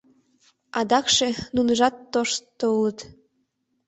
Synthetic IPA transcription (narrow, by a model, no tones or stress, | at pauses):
ɑd̪ɑkʃenunəʒɑt̪ːoʃt̪ːoulət̪